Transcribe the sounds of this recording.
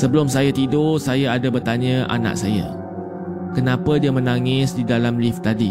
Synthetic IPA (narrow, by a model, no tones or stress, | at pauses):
səbəlʊmsajat̪idosajaadabərt̪aɲə̃ʔa̰na̰ʔ̚saja̰ | kənãpadiamə̃nãŋɪsdidalamlift̪adi